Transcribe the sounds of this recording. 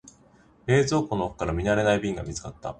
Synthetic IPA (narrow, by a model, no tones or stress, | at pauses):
e̞ːzo̞ːko̞noɸɯ̟̥kaɾamʲinaɾe̞naibʲĩŋɡamʲit͡sɨ̥kat̪ːa̰